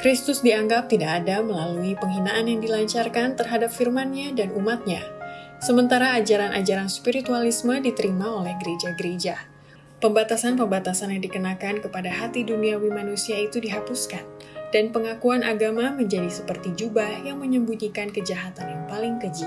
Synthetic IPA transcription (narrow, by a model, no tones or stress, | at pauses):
kɾist̪ʊsdiaŋɡap̚t̪idakadaməlaluipəŋɦinaʔanjaŋdilaɲt͡ʃarkant̪ərɦadap̚firmanɲadanumat̪̚ɲa | səmənt̪aɾaːd͡ʒaɾanʔa̰d͡ʒaɾanspiɾit̪ualismədit̪əɾimaolɛhɡəɾed͡ʒaɡəɾed͡ʒa | pəmbat̪asanpəmbat̪asanjadikənakankəpadaɦat̪iduniawimanusiait̪udiɦapuskand̥anpəŋakuanʔaɡamaməɲd͡ʒadisəpərt̪id͡ʒubahjaŋməɲəmbuɲikankəd͡ʒaɦat̪anjaŋpalɪŋkəd͡ʒi